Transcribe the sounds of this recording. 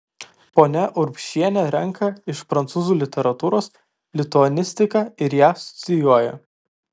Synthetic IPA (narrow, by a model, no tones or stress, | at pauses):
poːnʲɛʔʊɾpʲʃʲiɛnʲɛɾʲɛŋˑkʰɐɪʃpɾɐnt̪suːzuːlʲɪt̪ʲɛɾɐt̪uːɾoːs | lʲɪt̪ʊɔnʲɪsʲt̪ʲɪkɑːɪɾjæːsʊ̥t̪sʲɪjuɔjɛ̰